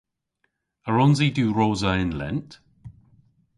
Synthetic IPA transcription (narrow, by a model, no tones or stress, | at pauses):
əɹɔnziduːɹoːzəɪnlɛ̰nt